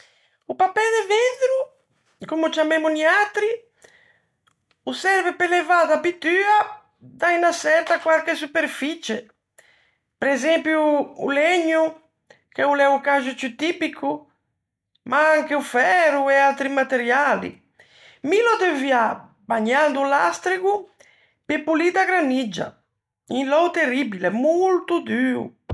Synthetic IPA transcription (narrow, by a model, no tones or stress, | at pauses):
upapɛðevend̪ɾu | komut͡ʃamemuniat̪ɾi | usɛɾvepelevaðapit̪ya | d̪ainasɛɾt̪akwalkesupeɾfit͡ʃe | pɾɛzɛmpjṵːleɲu | k̟ɛulɛukaʒut͡ʃut̪ipikʰu | mʔaaŋkeufɛɾuɛalt̪ɾimat̪eɾjalḭ | milɔd̪evja | baɲand̪ulast̪ɾiku | pepulid̪aɡɾanid͡ʒa̰ | inlɔwt̪eribilemult̪ud̪yːṵ